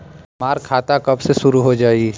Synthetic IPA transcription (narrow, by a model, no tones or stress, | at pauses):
maːɾkʰːaːt̪akɐbsesʊɾuɦod͡ʒaːi